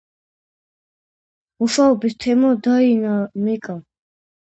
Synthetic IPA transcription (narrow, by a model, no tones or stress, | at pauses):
muʃaɔbist̪ʰɛmɔd̪ainamikʼa